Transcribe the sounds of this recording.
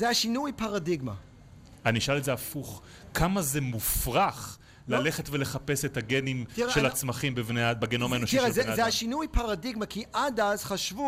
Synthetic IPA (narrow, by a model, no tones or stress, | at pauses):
zeaʃinujpaʁadiɡma | aniʃalezeafuχ | kʰamazemufʁaχ | lale̞χetve̞leχape̞setaɡenimʃelat͡smaχimbevneabeɡeno̞maenoʃiezeazeaʃinujpaʁadiɡmakiʔadazχaʃvu